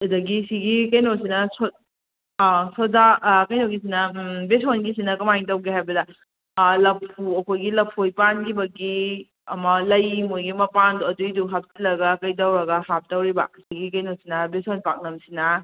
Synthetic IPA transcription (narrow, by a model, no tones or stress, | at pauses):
dɐɡisiɡikɐjnosinɐso | sozakɐjnoɡis̬inɐbesonɡis̬inɐkɐmajŋtɐwɡeɦajbɐdɐ | lɐpʰuɐkʰojɡilɐpʰojpanɡibɐɡi | ɐmɐlɐjmojɡimɐpanduɐduiduɦap̚silɐɡɐkɐjdɐwɾɐɡɐhap̚tɐwɾibɐ̰siɡikɐjnosinɐbesonpak̚nɐmsinɐ